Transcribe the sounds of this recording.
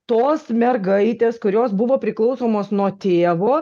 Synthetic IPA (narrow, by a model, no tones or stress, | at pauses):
t̪oːsmʲɛɾɡɐɪt̪ʲeːskʊɾʲoːsbʊʋoːpʲɾʲɪklˠɒʊsoːmoːsnuɔt̪ʲeːʋoː